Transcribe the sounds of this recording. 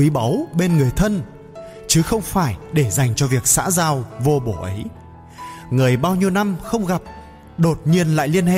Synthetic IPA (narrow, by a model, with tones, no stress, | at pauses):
i˨˦ɓa˨˦wɓe˧nŋɨ˨˩əjt̪ʰə˧n | t͡ɕɨ˨˦xə˧wŋ͡mfaː˧˩jɗe˧˩za˨˩jŋ̟t͡ɕɔ˧vi˨˩ək̚sa̰ː˧˥zaː˧wvo˧ɓo˧˩ʔə˨˦j | ŋɨ˨˩əjɓaː˧wɲi˧əwna˧mxə˧wŋ͡mɣa˨˩p̚ | ɗo˨˩t̚ɲi˧ənla̰ː˧˨jli˧ənhḛ˧˨